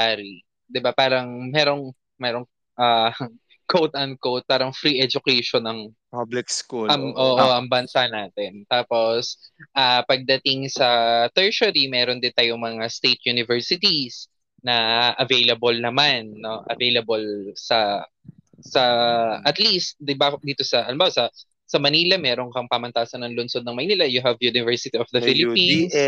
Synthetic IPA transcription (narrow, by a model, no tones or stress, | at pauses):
aɾi | d̪ɪbapaːɾɐŋmɛːɾo̞ŋ | mɛːɾoŋ | ʔa | kowt̪ɐnd̪̚kowt̪̚paːɾɐŋfɾiʔɛd͡ʒʊkɛjʃonɐŋ | blɪkskuɐŋʔoːʔoʔɐŋbɐnsanaːt̪ɛnt̪aːpo̞sʔapɐɡ̚d̪ɐt̪ɪŋsɐt̪ɛɹsɐɾimɛːɾond̪ɪnt̪aːjoŋmɐŋast̪ejt̪̚junɪvɛɹsɪt̪is | nɐʔɐvejlɐbolnɐmanːo̞ʔɐ̰vejlɐbolsɐ | sɐʔɐt̪list̪̚d̪bad̪iːt̪o̞sɐʔɐ̰lɪmbawsɐ | sɐmɐniːlɐmɛːɾoŋkɐŋpamɐnt̪aːsɐnɐŋlʊnso̞d̪̚nɐŋmɐjniːlɐjʊɦɐvjunɪvɛɹsɪt̪iɔfd̪ɐfɪlɪpins